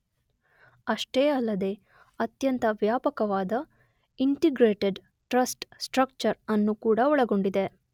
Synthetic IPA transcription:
ɐʂʈeːɐlːɐd̪e̞ | ɐt̪jɐnt̪ɐʋjaːpɐkɐʋaːd̪ɐ | iɳʈiɡɾeːʈeɖ | ʈɾɐsʈsʈɾɐk̚t͡ʃɐɾɐnːukuːɽɐɔɭɐɡo̞ɳɖid̪e

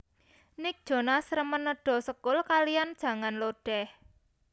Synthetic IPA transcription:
nɪk̚d̥ʒ̥ɔ̤nasɾəmənːəɖ̥ɔ̤səkʊlkalijand̥ʒ̥ä̤ŋanloɖ̥ɛh

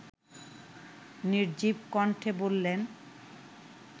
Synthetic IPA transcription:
niɾd͡ʑibkɔɳʈʰebolːen

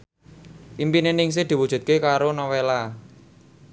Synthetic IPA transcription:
ʔimpinenɪŋs̬ɪhd̪̥i̤wud̥ʒ̥ṳt̪̚kekaɾonɔwela

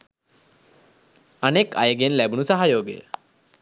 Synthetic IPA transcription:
əneka̰jəɡenlɛbuñusaɦajoːɡḛ

